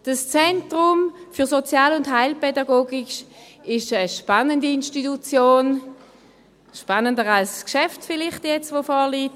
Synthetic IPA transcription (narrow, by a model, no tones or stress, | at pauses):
d̥ast͡sɛntʁʊmfyɐsot͡sjaːlʊntɦaɪlpɛdɑɡoːɡiʃ | ɪʃəʃpanəndiinʃtitut͡sjoːn | ʃpanəndəʁalskʃɛftfɪlɪχtjɛt͡stʋofɔːliːt